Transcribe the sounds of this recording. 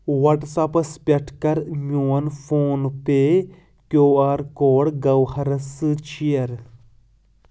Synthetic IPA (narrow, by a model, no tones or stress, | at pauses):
wɐʈsɐpɐspʲɐʈʰkɐɾmʲuːɐnfʰoːnpe | kjoːaːɾkoːɽɡɐwhɐɾɐsɨt͡ʃʰijɐɾ